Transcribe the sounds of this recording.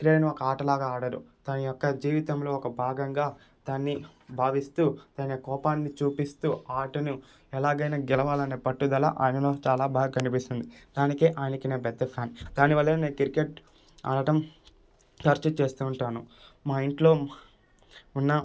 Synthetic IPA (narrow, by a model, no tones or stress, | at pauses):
kɾeːɐnuɔkɐaːʈɐlaːɡaːaːɽɐɾṵd̪̥aːnijɔkːɐd͡ʒiːʋit̪ɐmlo̞ːɔkɐbʱaːɡɐŋɡaː | d̪̥aːnːibʱaːʋist̪uːd̪̥aːnɐkɔːpaːnːit͡ʃuːpist̪uːaːʈɐnu | ɛlaːɡɐjnaːɡɛlɐʋaːlɐne̞ːpɐʈːud̪ɐla̰ʔaːjnɐlo̞ːt͡ʃaːlaːbʱaːɡɐkɐnipist̪und̪id̪̥aːnikeːʔaːjnɐkineːpɛd̪ːɐpʰjaːnd̪aːniʋɐlːɐneːkiɾikeʈ̚ | a̰ːɽɐʈɐm | t̪ɐɾt͡ʃɐt͡ʃe̞ːst̪uːɳʈaːnumaiɳʈlo̞ː | unːɐ